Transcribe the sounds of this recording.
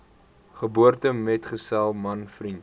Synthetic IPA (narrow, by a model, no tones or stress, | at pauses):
χəbuərtəmɛtχəsælˠmɐnfrint